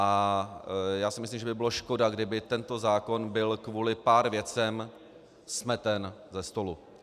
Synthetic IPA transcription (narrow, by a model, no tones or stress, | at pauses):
ʔa | jaːsɪmɪslimʒɛbɪbɪloʃko̞daɡdɪbɪt̪ɛnt̪o̞zaːko̞nbɪlkvuːlɪpaːɾvjɛt͡sɛm | smɛt̪ɛnzɛst̪o̞lu